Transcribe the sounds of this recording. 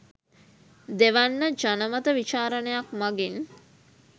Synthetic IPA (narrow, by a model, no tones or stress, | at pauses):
d̪eʋanːəd͡ʒanəmət̪əʋit͡ʃaːɾənəjakmaɡin